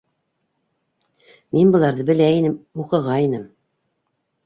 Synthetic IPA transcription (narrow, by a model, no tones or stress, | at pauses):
minbɤ̆lˠɑɾðɤbɘ̆læinɘmuqɤ̆ʁɑinɘm